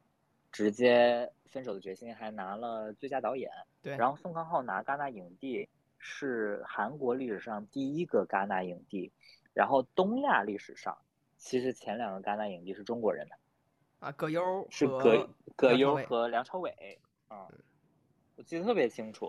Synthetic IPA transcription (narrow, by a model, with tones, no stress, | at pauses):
ʈ͡ʂɻ̩˧˥t͡ɕjɛ˥ | fə˥nʂo˨˩ʊd̪ə˦t͡ɕɥɛ˧˥ɕi˥ŋxa˧˥ɪna˧˥lə˧t͡swe˥˧t͡ɕja˥t̪ɑ˧˥ʊjɛ̰˧˩˦nɻɻnxo˥˧ʊsʊ˥˧ŋkʰɑ˥ŋxɑ˥˩ʊna̰˧˥˧ka˥na˥˩i˨˩ŋt̪i˥˧ | ʂɻ̩˥˩xa˧˥nkwɔ˧˥li˥˩ʂɻ̩˨˩ʂɑ˥˧ŋt̪i˥˩i˥ɡə˧ka˥na˥˩i˨˩ŋt̪i˥˩ɻa̰˧˥nxo˥˩ʊt̪ʊ˥ŋja˥˧li˥˩ʂɻ̩˨˩ʂɑ̰˥˩ŋ | t͡ɕʰi˧˥ʂɻ̩˧˥t͡ɕʰjɛ˧˥nljɑ˨˩ŋɡə˦ka˥na˥˩i˨˩ŋt̪i˥˧ʂɻ̩˥˩ʈ͡ʂʊ˥ŋkwɔ˧˥ɻə̰˧˥nd̪ə˧ | ʂɻ̩˥˩kkɤ˧˥jo˥ʊxɤ˧˥ljɑ˧˥ŋʈ͡ʂʰɑ˧˥ʊwe˨˩˦ɪ˥˩ | wɔ˨˩t͡ɕi˥˩ə˩t̪ʰɤ˥˩pjɛ˧˥t͡ɕʰi˥ŋʈ͡ʂʰṵ˨˩˦